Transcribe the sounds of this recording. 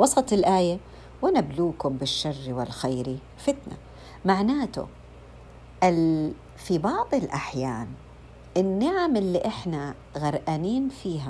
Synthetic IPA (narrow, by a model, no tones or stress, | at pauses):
wɑsˤɑt̪ˤɪlʔaːja | wɪnabluːkʊmbɪʃːarːiwɪlxajɾi | fɪt̪na̰ | maʕnaːt̪ʊ̰ | ʔɪl | fibɑʕðˤɨlʔaħjaːn | ʔɪnːɪʕamɪlːiʔɪħna | ɣaɾˤʔaniːnfiːɦa